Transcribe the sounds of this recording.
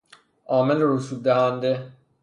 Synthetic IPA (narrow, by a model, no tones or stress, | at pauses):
ʔɒːmelɾusuːd̪̚d̪æɦænd̪e